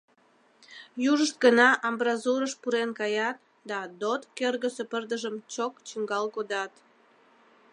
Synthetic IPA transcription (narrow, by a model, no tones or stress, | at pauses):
juʒəʃt̪̚ɡənɑʔɑmbrɑzuɾəʃpuɾenkɑjɑt̪̚ | d̪ɑd̪ot̪kørɣəsepərd̪əʒəmt͡ɕokt͡ɕəŋɡɑlkod̪ɑt̪